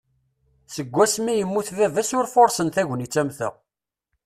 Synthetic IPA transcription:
səɡʷːæsmijəmːuθvævæsʊɾfoɾˤsənθæʝnit͡sːæmθə̰ʁ

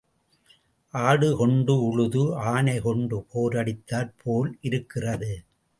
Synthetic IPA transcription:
ʔaːɽɯkɔɳɖɯʊɻʊðɯaːnɐɪkɔɳɖɯpʰoːɾɐɽɪt̪ːaːɾpʰoːlʔɪɾɯkːɪrɐðɯ

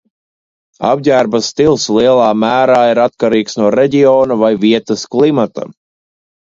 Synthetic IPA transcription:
a̰bɟæːɾbast̪ilˠslˠiɛlˠɑːmæːɾaːiɾat̪kaɾiːksnuɔɾeɟʲiɔːnuvajviɛt̪asklˠimat̪a̰

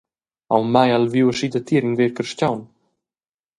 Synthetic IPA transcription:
awmajalvjuwəʃid̪ət̪iəɾiŋveɾkəɾʃcawn

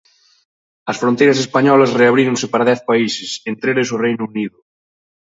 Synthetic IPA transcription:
ɐsfɾõnt̪ejɾɐs̬espaɲɔlɐsreaβɾiɾoŋsɪpaɾɐðɛθpaisɪsent̪ɾelesʊrejnʊuniðʊ

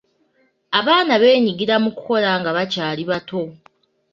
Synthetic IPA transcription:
aβaːnaβe̞ːɲiɡiɾamukuko̞laŋɡaβacaːliβato̞

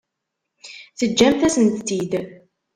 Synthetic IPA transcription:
θəd͡ʒːæmθæsənt̪ːid̪

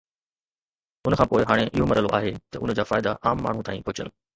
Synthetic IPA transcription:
ʊnə̆kʰãːpoːɪɦaːɽ̃eʔɪɦomɐɾəlo̰ʔaːɦet̪ɐʔʊn̆d͡ʑaːfaːɪd̪a̰ʔaːmːaːɳ̤ũt̪aːĩpʊt͡ɕə̰n

